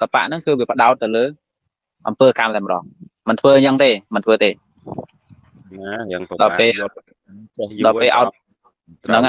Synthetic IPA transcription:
kapa̰ʔnɨŋkɨːʋiəpə̆ɗaɔt̪̚ːɨwləː | ʔɑmpəːkamlajmə̆ɗɑ̰ːhmɨnt̪ʰʋəːɲt͡ɕəŋt̪eːmɨnt̪ʰʋəːt̪eː | ɗɑlpeː | ɗɑpeːlʔa̰ɔt̪̚ | nɨŋ

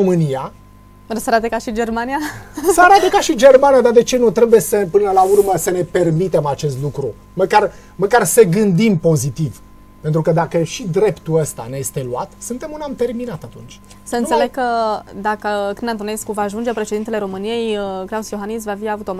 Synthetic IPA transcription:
omɨnija | rəsəaɾat̪ekaʃid͡ʒe̞rmanijasəaɾat̪əkaʃid͡ʒe̞rmaniad̪ad̪e̞t͡ʃe̞nut̪ɾe̞buje̞səpɨnəlaurməsəne̞pe̞rmit̪e̞mat͡ʃe̞st̪lukɾu | məkar | məkarseɡɨnd̪impo̞zit̪iv | pe̞nt̪ɾukəd̪akəʃid̪ɾe̞pt̪uəst̪a̰neje̞st̪e̞luat̪sɨnt̪e̞munamt̪e̞rminat̪at̪unt͡ʃʲ | səɨnsele̞ɡ̚kːəd̪akəkɨnent̪oneskuvaːʒund͡ʒepɾe̞ʃed̪int̪ele̞ɾo̞mɨnije̞jəklausjo̞ɦanis̬vafiavut̪o̞m

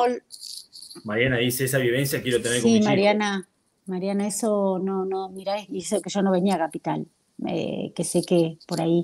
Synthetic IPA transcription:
ol | maɾjanaðiseesaβjiβ̞e̞nsjakjeɾo̞t̪eneɾkosimaɾjana | maɾjanae̞sononomiɾajiesokeʒ̥onoβe̞niakapit̪al | ḛke̞se̞kepo̞ɾai

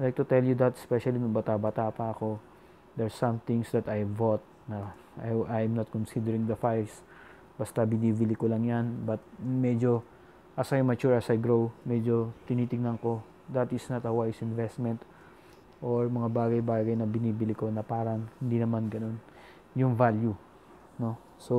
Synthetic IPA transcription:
lajk̚t̪ʊt̪ɛljʊd̪ɐt̪spɛʃɐlinʊŋbɐt̪abat̪aːpɐɐko̞ | d̪ɛɹsɐ̃mθɪ̃ŋsd̪ɐt̪ajvot̪̚nɐ | ʔajmnɐt̪̚konsid̪ɛɹɪ̃ŋd̪ɐfajs | b̥ɐst̪ɐbɪniːbɪlɪkolɐŋjanbɐt̪̚mɛd͡ʒo̞ | ʔɐsajmɐt͡ʃuɹɐsɐjɡɹowmɛd͡ʒo̞t̪ɪniːt̪ɪɡ̚nɐŋko̞ | d̪ɐt̪ɪsnɐt̪ɐwajsɪnvɛst̪mɛnt̪ | ʔoɹmɐŋabaːɡɐjbaːɡɐjnɐbɪniːbɪlɪko̞nɐpaːɾɐŋhɪnd̪inɐmanɡɐno̞n | jʊŋvalju | no̞ | so

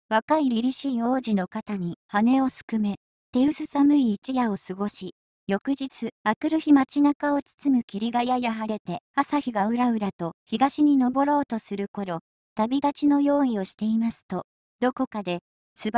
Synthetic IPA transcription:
βakaiɾʲiɾʲiɕiːoːʑino̞kat̪aɲ̟ihane̞o̞sɨ̥kɯ̟me̞ | t̪e̞ɯ̟sɨsamɯ̟iːt͡ɕijao̞sɨɡo̞ɕi | jo̞kɯ̟ʑit͡sɨakɯ̟ɾɯ̟çimat͡ɕinakao̞t͡sɨ̥t͡sɨmɯ̟kʲiɾʲiɡajajaɦaɾe̞t̪e̞asaçiɡaɯ̟ɾaɯ̟ɾat̪o̞çiɡaɕiɲ̟ino̞bo̞ɾo̞ːt̪o̞sɨɾɯ̟ko̞ɾo̞ | t̪abʲiɡ̪at͡ɕino̞jo̞ːio̞ɕi̥t̪e̞imasɨ̥t̪o̞ | d̪̥o̞ko̞kad̪e̞ | sɨ

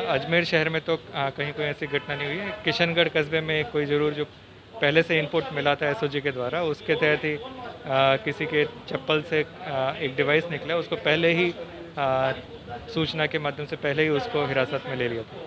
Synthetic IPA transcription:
ɐd͡ʒmeːɾʃɛɦɛɾmẽt̪okɐɦĩkoːiɛːsiɡʱɐʈnanɐɦĩɦʊiɦɛkɪʃənɡəɽkɐzbemẽkːoːizɐɾuːɾd͡ʒoː | pɛɦleseɪ̃mpʊɾʈmɪlat̪ʰaɛːsoːd͡ʒiked̪waːɾaʊsket̪ɛːət̪ɦi | kɪsiket͡ʃɐpːəlseeːk̚ɖɪʋaːɪsnɪkleʊskopɛɦleɦi | suːt͡ʃnakemad̪ʱjəmsepɛɦleɦiʊskoɦɪɾaːsət̪mẽleːliat̪ʰaː

